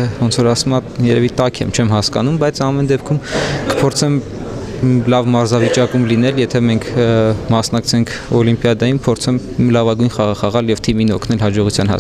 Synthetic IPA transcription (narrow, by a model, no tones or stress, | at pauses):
vɔnt͡sʰɔɾɑsumɑ | jɛɾɛvit̪ɑkʰɛ̰mt͡ʃʰɛmɦɑskɑnumbɑjt͡sʰɑmɛnd̪ɛp̚kʰumkə̥pʰɔɾt͡sʰɛm | lɑvmɑɾzɑvit͡ʃɑkumlinɛljɛt̪ʰɛmɛŋkʰmɑsnɑkt͡sʰɛŋkʰ | ɔlimpjɑd̪ɑjimpʰɔɾt͡sʰɛmlɑvɑɡujnχɑʁɑχɑʁɑljɛvt̪ʰiminɔkʰnɛlɦɑd͡ʒɔʁut͡sʰjɑnhɑ̰